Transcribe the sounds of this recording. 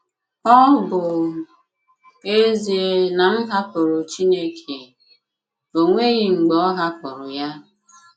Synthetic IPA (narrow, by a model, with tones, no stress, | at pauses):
ɔ˦bʊ˨ | e˦zi˨e˦na˨m̩˦ɦa˦pʊ˨ɾʊ˨t͡ʃi˦ne˦kʰe˨ | o˨ŋʷe˦ɣi˦˨ŋ͡m̩˨ɡ͡bɔ˦ɦa˦pʊ˨ɾʊ˨ja˦